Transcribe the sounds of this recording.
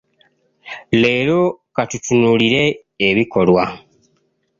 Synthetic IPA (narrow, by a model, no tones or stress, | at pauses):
le̞ːlo̞katutunuliɾe̞ː | βiko̞lwa